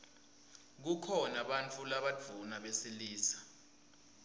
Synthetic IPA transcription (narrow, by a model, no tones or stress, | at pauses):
k̬ukʰɔnaɓant͡fʰulaɓadd͡v̥ʱunaɓesiliːsḁ